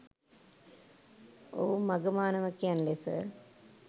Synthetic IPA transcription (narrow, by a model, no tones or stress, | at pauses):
o̰ːmɐɡɐmaːnɐʋɐkːjaːnlesɐ̰